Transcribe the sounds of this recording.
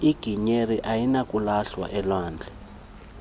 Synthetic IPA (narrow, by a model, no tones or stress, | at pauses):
iɡ̥ʱiɲeriʔajinak̬ʼulaɬwa̰ʔɛlwaːnd͡ɮʱɛ